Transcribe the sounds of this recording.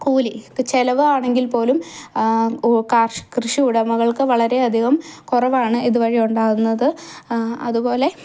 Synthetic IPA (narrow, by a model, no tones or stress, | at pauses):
kuːlit͡ɕelɐʋɨaːɳe̞ŋɡilpo̞ːlum | kaːrʂɨ̥krɨʂiuɽɐmɐɣɐɭkɨʋɐɭɐɾe̞ɐd̪ʱiɣɐmkurɐʋaːɳɨʔiðuʋɐɻijuɳɖaːɣunːɐðɨ | ɐ̰ðubo̞ːle̞